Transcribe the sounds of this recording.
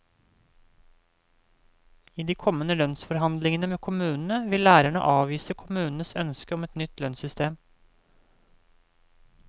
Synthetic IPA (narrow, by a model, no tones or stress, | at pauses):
iːd̪iːkʰɔmənəlœnsfɔɾhɑnd̪lɪŋənəmeːkʰʊmʉːnn̩əʋɪllæːɾæɳə̰ʔɑːʋiːsəkʰʊmʉːnn̩əsœnskəɔmɛt̪nʏt̪lœnsʏst̪eːm